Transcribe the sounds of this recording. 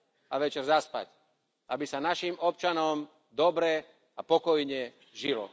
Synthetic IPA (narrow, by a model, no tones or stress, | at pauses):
aʋɛt͡ʃɛɾzaspa̰c | abisanaʃimɔp̚t͡ʃanɔm | d̪ɔbɾɛ | apɔkɔjɲɛ | ʒilɔ̰